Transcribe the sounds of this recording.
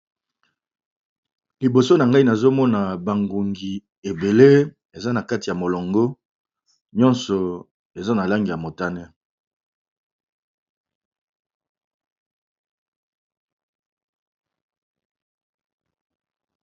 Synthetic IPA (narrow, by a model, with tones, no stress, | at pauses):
li˨bo˨so˦na˨ŋɡa˦i˦na˨zo˦mɔ˦na˨ba˨ŋɡu˨ŋɡi˨ | e˨be˨le˦ | e˨za˦na˨ka˦ti˨ja˨mo˨lɔ˨ŋɡo˦ | ɲɔ˦nsɔ˨ | e˨za˦na˨la˦ŋɡi˨ja˨mo˨ta˦nɛ˦